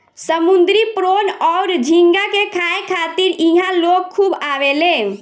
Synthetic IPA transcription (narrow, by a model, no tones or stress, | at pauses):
səmund̪ɾipɾonɔʊɾd͡ʒʱiŋɡakekʰaẽkʰat̪iɾiɦãlokkʰːubaʋelẽ